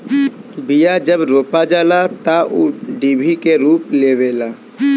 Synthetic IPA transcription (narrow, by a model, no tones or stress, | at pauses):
bijad͡ʒəbɾoːpad͡ʒaːlat̪auɖiːbʱikeɾuːpleːʋeːlaː